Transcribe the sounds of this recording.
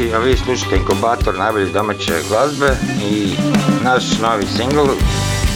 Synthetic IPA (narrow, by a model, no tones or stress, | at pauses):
iaʋiːslˠuʃḁt̪eiŋkubaːt̪oɾnajboʎid̪omat͡ɕḛɡlazbeinaʃnoʋisiŋɡl